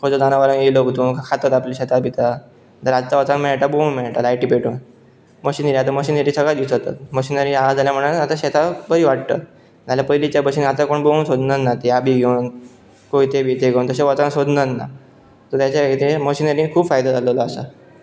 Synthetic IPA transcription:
kəd͡zəd̪anaʋəɾə̃nelokt̪unkʰakʰat̪ət̪apleɕɛt̪ʰabit̪ʰa | t̪əɾad͡zt͡saʋət͡sanmɛɭʈ̪abounmɛɭʈ̪alajʈipeʈon | məɕinəɾiat̪̬aməɕinəɾĩsəɡɭad̪it͡sət̪a̰t̪̚məɕinəɾiaad͡zaljam̤əɽaat̪ãɕɛt̪ʰabəiʋaʈt̪ə̰ | d͡zaljapəjlit͡ɕjabəɕinat̪akoɳbounsod̪nənnat̪eabiːɡʱen | koit̪ebʱiːt̪eɡʱewnt̪əseʋət͡sansod̪nənna̰ | t̪ət̪jat͡ɕaʋekt̪eməɕinəɾĩːnkʰuːbfajd̪ad͡zaləlɔasa̰

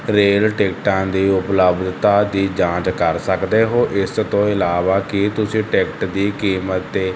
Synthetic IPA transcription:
ɾeːlʈɛːk̚ʈãːnd̪iːʊpləbd̪t̪aːd̪iːd͡ʒãːt͡ʃkəɾsəkd̪eːɦoːʔɪst̪õːɪlaːʋaːkɪt̪ʊsĩːʈɛːkʈd̪iːkiːmət̪ːeː

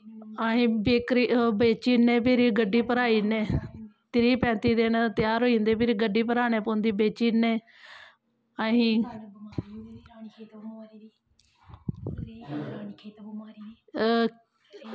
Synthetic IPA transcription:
aɦĩːbeːkɾiːbeːt͡ʃiːnẽːpɪɾiɡəɖːiːpəɾaːiːneːt̪ɪɾiːpɛ̃ːt̪iːd̪eːnt̪ɪjaːɾɦoːĩːnd̪eːpʰɪɾɡəɖːiːpəɾaːneːpʊnd̪iːbeːt͡ʃiːnẽː | aɦĩː

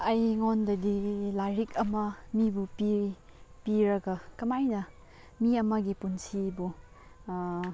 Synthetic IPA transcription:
ɐjŋondɐdilaɾikʰɐmɐmibupii | piɾɐɡɐkɐmajnɐ | miɐmɐɡipunsibu

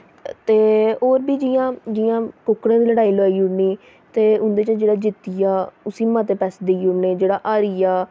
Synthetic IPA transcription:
t̪eːoːɾbiːd͡ʒijãːd͡ʒɪjãːkʊkɽãːd̪iːləɽaːiːloaːiːʊɽniː | t̪eːʊnd̪eːt͡ʃãːd͡ʒeːɽaːd͡ʒɪt̪ːijaːʊsiːmãːt̪̬eːpɛːsd̪eiːʊneːd͡ʒeːɽaːʔaːɾiːjaː

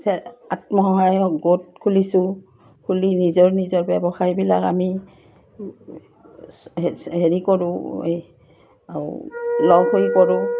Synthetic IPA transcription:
sɛatmɔɦɔɦajɡot̚kʰulisʊ | kʰulinizɔɹnizɔɹbɛbɔxajbilaka̰mi | heɹikɔɹʊ̃ | aɹʊ̰lɔɡɦojkɔɹʊ̃

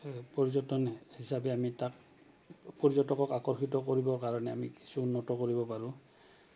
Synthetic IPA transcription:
pɔɹizɔtɔnhisabɛamitak̚ | pɔɹzɔtɔkɔkakɔɹxitɔkoɹibɔɹkaɹɔnɛamiki̥suːnːɔtɔkoɹibɔpaɹʊ̃

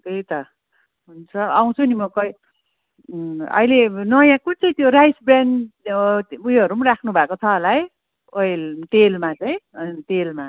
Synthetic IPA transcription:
kejt̪ʌ | ɦunt͡sʰʌaw̃t͡sʰunimʌkʌj | ʌ̰ilenʌjãkut͡sʌj̃t̪joɾajsbran | ujʌɾumrakʰnubʱakot͡sʰʌːlaɦj | ojlt̪elmat͡sʌj̃t̪elma

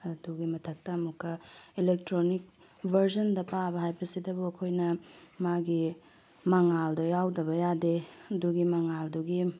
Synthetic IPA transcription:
ɐduɡimɐtʰɐk̚tɐɐmukʰːɐilek̚tɾonik̚ | bʱɐɾsɐndɐpabɐɦajbɐsidɐbuɐkʰojnɐmaɡi | mɐŋaldɐjawdɐbɐjadeɐduɡimɐŋalduɡi

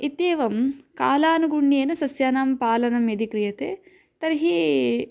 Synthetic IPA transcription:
it̪jeːʋɐmkaːlaːnuɡuɳːeːnɐsɐsjaːnaːmpaːlɐnɐmjɐd̪ikɾijɐt̪ḛː | t̪ɐɾɦi

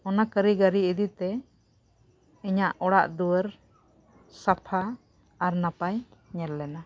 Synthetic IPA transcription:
ɔnakəɾiɡaɾiid̪it̪ɛ | ɛɲaʔɔɽaʔd̪uwəɾ | sapʰaː | ɾnapajɲɛɾlɛna

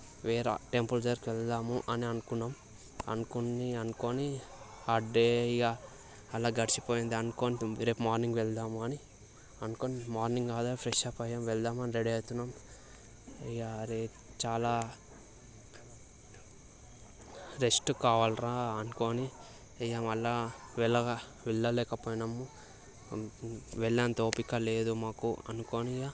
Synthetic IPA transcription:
ʋeːɾɐ̰ʈe̞mpuld͡ʒɐɾkiʋɛld̪aːmuʔɐniɐnukunːaːm | ɐ̰nukunːiɐnukoːni | ɐɖeɡaː | ɐlaːɡɐɽit͡ʃipoːjind̪iɐnukoːniɾe̞ːpmaːɾniŋɡʋɛld̪aːmuɐni | ɐnukoːnimaːɾniŋɡɡaːd̪apɾeʃaːpɐjɐmʋɛld̪aːmɐniɾeɖiɐt̪unːam | ɐjaɾe | t͡ʃaːlaː | ɾesʈukaːʋaːlɾaːɐnukoːni | ɐjaːmɐlːaːʋɛlɐ | ʋɛlːɐlɛːkɐpoːjnɐmːu | ʋɛlːaːnt̪oːpikːɐleːd̪umaːkuɐ̰nukoːnija

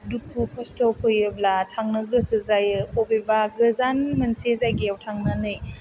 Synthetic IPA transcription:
dukʰːukʰɔstɔlpʰɔjɯblatʰaŋnɯɡɯsɯzajɯhobebaɡɯzanmɐnsezajɡiawtʰaŋnanɯj

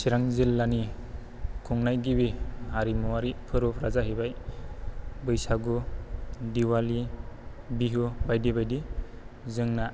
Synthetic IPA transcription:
siɾaŋzilːani | kʰuŋnajɡibihaɾimuwaɾipʰɯɾupʰɾazaɦibaj | bɯjsaɡu | diwali | biɦubajdibajdi | zɯŋna

